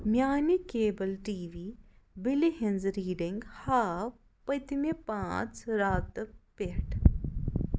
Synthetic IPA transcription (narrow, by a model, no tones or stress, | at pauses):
mʲjaːnikeːbəlʈiːʋiːbɪliɦɪnzɾiːɖiŋɡhaːw | pɐt̪mepãːt͡sɾaːt̪peʈ